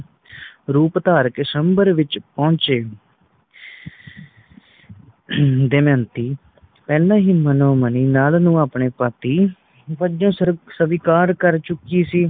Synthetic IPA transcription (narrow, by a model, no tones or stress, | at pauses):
ɾuːpt̪aːɾkɪsəmbəɾʋɪt͡ʃpɔ̃ːt͡ʃeː | d̪eːmɛ̃ːnt̪iː | pɛːlãːɦiːmənɔːməniːnaːlnũːaːpɳeːpət̪iː | pəd͡ʒõːsəʋiːkaːɾkəɾt͡ʃʊkiːsiː